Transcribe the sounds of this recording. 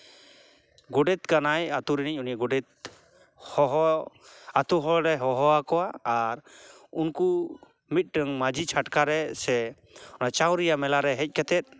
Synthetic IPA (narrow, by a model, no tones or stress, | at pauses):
ɡɔɖɛt̪kanajat̪uɾiniɲunijaɡɔɖɛt̪̚ | hɔɦ | at̪uɦɔɾɛɦɔɦɔakɔwaːɾunku | mit̪̚ɾəŋmad͡ʒʱit͡ʃʰaʈkaɾɛsɛ | ɔnat͡ʃaw̃ɾijamɛlaɾɛɦɛc̚ˀkɛt̪ɛt̪̚ˀ